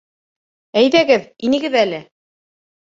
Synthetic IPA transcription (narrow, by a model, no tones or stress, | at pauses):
æjðæɡɘðinɘ̆ɡɘðælɘ